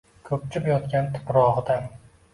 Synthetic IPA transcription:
kʰɵp̚t͡ʃʰɪpjɒt̪kʲant̪ʰɪ̥pɾɒʁɨd̪a

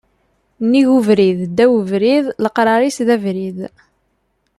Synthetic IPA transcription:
nːiʝuvɾiðd̪æwəvɾiðləqɾˤɑɾˤisðævɾið

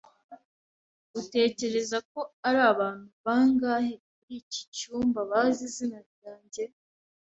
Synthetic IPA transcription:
ɡute̞ːce̞ɾe̞zako̞aɾaːβaːn̥huβaːŋɡaːhekuɾici̥t͡ʃuːmbaβazizinaɾɟaːɲɟe̞

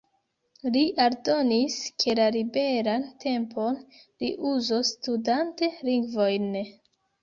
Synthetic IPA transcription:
liʔaɾdo̞niskʰe̞laɾibe̞ɾantʰe̞mpʰo̞n | liʔuzostudante̞liŋɡvo̞jn

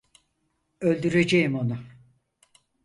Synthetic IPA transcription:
ølʲd̪yɾe̞d͡ʒejimonʊ

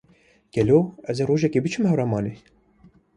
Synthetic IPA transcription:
ɡ̥ɛloːɛzeroːʒɛkeːbɨt͡ʃʰɨmhɛwrɑːmɑːneː

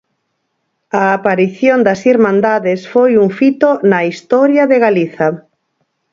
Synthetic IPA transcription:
aːpaɾiθjond̪ɐsiɾmãnd̪aðɪsfojuŋfit̪onɐist̪ɔɾjɐðeɣaliθa

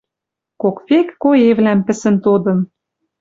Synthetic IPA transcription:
kokβekːojeβlæmpɘ̆sɘ̆nt̪od̪ɤ̆n

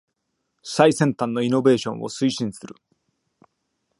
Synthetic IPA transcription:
ɕsaisẽ̞nt̪ãnːo̞ino̞be̞ːɕõ̞ɰ̃ʔo̞̰sɨiɕĩɰ̃sɨɾɯ̟̰

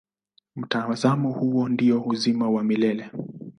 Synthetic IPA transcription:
m̩tazamɔhuwɔndiɔhuzimawamilɛlɛ

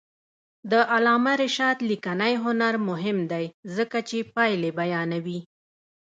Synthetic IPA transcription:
d̪əʔalɑmaɾɪʃɑd̪likanajɦʊnaɾmʊɦɪmd̪ajzəkat͡ʃepɑjlebajɑnawi

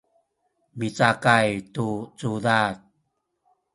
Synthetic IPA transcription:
mit͡sakajtut͡sudat̚

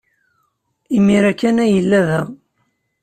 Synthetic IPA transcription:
imːiɾækːænæjəlːæðæ

